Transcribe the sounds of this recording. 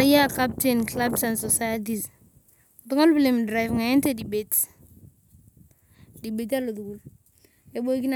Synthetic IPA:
aja˦ka˦p̚tenkla˦bsa˨nsosa˦ja˦t̬i˨s | tu˦ŋa˦lbi˦le˨mdɾa˨jvŋa˨ɛ˦nte˦di˨be˨t | di˨be˨t̬a˦lo˨tu˨ɡu˨l | e˨bo˦ki˦na

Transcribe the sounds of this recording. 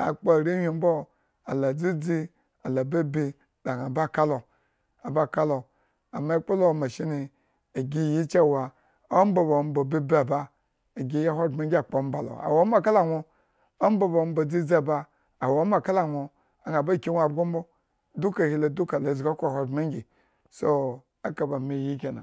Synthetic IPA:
a̰˨k͡po˦˨ɾi˦hʲi˨m̩˦bo˦ | a˨la˨d͡zi˦d͡zi˦ | a˨la˨be˦bi˦ | da˨ŋa˨ba˦˨ka˦lo˨ | a˨ba˦˨ka˦lo˨ | a˨ma˦k͡po˦lo˦˨ma˨ʃi˦ni˨ | a˨ɡʲi˦˨ji˦t͡ʃa˦˨wa˨ | o˦m̩˦bo˨bo˨m̩˦bo˨bi˦bi˦a˨ba˦ | a˨ɡʲi˦ja˦ɦʷo˦˨me˦ɡʲi˦a˨k͡po˨˦m̩˦ba˨lo̰˨a̰˨wo˦ma˦˨ka˦la˨wʷo˦ | o˦m˦bo˦ba˨m˦bo˨d͡zi˦d͡za˦˨baː˦˨ | wo˨˦m˦a˨ka˦la˨wʷo˨ | a˨ŋa˨ba˦˨kʲi˦wʷa˨bɡo˦m˦bo˦ | du˦ka˨hi˦lo˨du˦ka˨la˨zɡa˦kʷɦo˨me˦ŋ˦ɡʲi˨ | so˦ | a˦ka˨ba˨mi˨ji˦kʲe˨na̰˨

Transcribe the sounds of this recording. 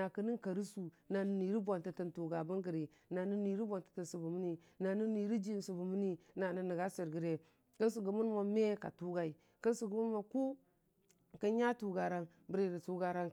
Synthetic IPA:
na˨kə˦ni˦n˦ka˨ɾi˦su˨ | na˨nə˦ni˨ɾi˦bo˨nta˨tə˨ntu˨ɡa˨bə˦ŋɡə˨ɾi˨ | na˨ni˦ni˨ɾi˦bo˨ntḁ˨tə˨nsu˨bu˨mi˦ni˨ | na˨ni˦ni˨ɾi˦d͡ʒi˦n˨su˨bu˨mə˦ni˦na˨nə˨nə˨ɡa˦si˨ɾɡə˨ɾe˨ | kə˦ns̬u˨ɡu˨mu˦n˦ma˦me˦ka̰˨tu˦ɡa˨i˨ | kə˦nsu˨ɡu˨mu˦n˦ma˨ku˦˨ | kə˦ɲa˦tu˨ɡa˨ɾa˦n | bɾi˦˨ɾi˨tu˦ɡa˦ɾa˦ŋ

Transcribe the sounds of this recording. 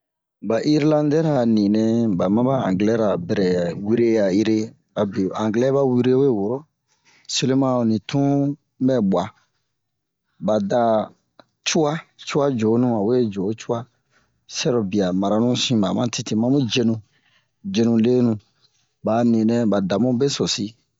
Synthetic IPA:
ba˨ʔi˦ɾlã˦ndɛ˦ɾa˨nĩ˨nɛ̃˦ba˨mã˦ba˦ã̰˨ŋɡlɛ˦ɾa˨bɛ˨ɾɛ˨wi˦ɾe˦ja˨i˦ɾe˦ | a˨be˨ã˨ŋɡlɛ˦ba˦wi˦ɾe˦we˦˨wo˨ɾo˦ | se˦le˦mã˦˨nĩ˨tʰũ˦ | bɛ˦bwa˨ | ba˨da˨ | t͡ʃu˦a˦t͡ʃu˦a˦d͡ʒo˨˦nũ˦a˨we˦d͡ʒo˨˦t͡ʃu˦a˦ | sɛ˦ɾɔ˨bi˨a˨ma˨ɾa˨nũ˦sĩ˦ma˨mã˦ti˦ti˦mã˦mũ˦d͡ʒe˦nũ˧ | d͡ʒe˦nũ˧le˦nũ˨ | ba˨nĩ˨nɛ̃˦ba˨da˨mũ˦be˦sɔ˨si˦

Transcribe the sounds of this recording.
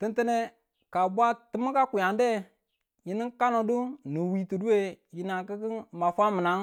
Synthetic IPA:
ti˦ntə˦ne˦ | ka˨bʷa˦tɨ˦mu˦ka˦kʷu˨ja˨nde˦ | ji˦ni˦ka˦no˨du˦nu˨wi˨tu˨du˦e˦ji˨na˨ki˦ki˦ma˨fa˦mə˨na˨˦ŋ

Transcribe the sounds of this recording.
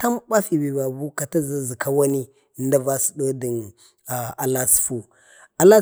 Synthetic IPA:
ta˦mɓa˦fi˨bi˨ba˨bu˦ka˨ta˦za˦zi˨ka˦wa˦ni˦˨ | nda˦va˦si̥˨do˦də˨n | a˨a˨la˦sfu˨ | a˨la˦

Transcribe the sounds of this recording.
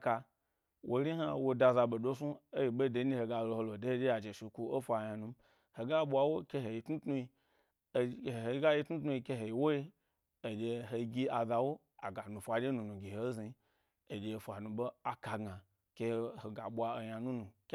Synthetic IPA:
ka˧ | wʔo˧˦ɾi˦ɦa˧wo˧da˧za˧ɓo˨do˦su˦o˦ji˧ɓo˦de˧˦nĩ˦he˧ɡa˧lo˧ho˧lo˨de˦e˦d͡ʒʲe˦a˨d͡ʒe˨ʃi˧˨ku˧o˦fʷa˧ja˧nũ˧m | ho˨ɡa˦ɓʷa˧wo˦kʲe˧ɦe˨ji˧tnu˦tnu˧i˧˨ | hhe˨˧i˧˦ɡa˦ji˧tnu˦tnu˧i˧ke˧ɦe˨ji˨wo˦i˦ | o˨d͡ʒʲe˧ɦo˧ɡʲi˦a˨za˧wo˦ | a̰˨ɡa˨nũ˨fʷa˧d͡ʒʲe˦nũ˨nũ˨ɡʲi˨he˨˦zi˧i˦ | e˨d͡ʒʲe˧fʷa˨nũ˧ɓo˦a˨ka˧ɡa˨ | kʲe˧ho˨ɡa˨ɓʷa˧o˧jɲa˧nũ˦nũ˨k

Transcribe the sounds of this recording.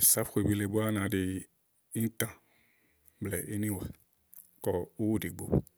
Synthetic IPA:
sa˦fxʷe˨bi˨le˨bo˦a˦nã˨dɪ˨ | i˦n̩˦t̪ã˨ | blɛ˨ʔe˦nĩ˦wɛ˨ | kɔ˨u˦wu˦de˨ɡo̰˨

